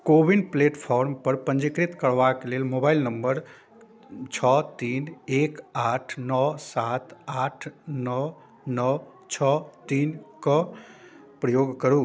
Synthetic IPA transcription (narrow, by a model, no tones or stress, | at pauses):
kobinɖpleʈpʰɔɾmpəɾpə̃nd͡ʒikɾit̪kəɽʋakelelmobajlnəmbəɾ | t͡ʃʰɔt̪inekaʈʰnɔsat̪aʈʰnɔ | nɔ | t͡ʃʰɔt̪inkɔ | pɾəjoɡkəɾu